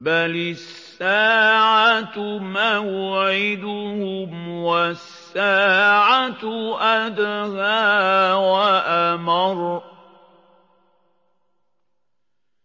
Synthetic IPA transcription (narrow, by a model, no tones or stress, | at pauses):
balɪssːaːʕat̪maːjʊʕɪd̪ʊhʊmwasːaːʕatʔad̪ɣaːwaʔamɑɾ